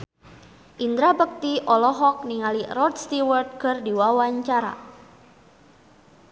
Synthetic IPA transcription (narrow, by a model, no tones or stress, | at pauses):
ʔind̪ɾabək̚t̪iʔɔlɔɦɔk̚niŋalirɔd̪̚st̪iwərt̪̚kɨrdiwawaɲt͡ʃaɾa̰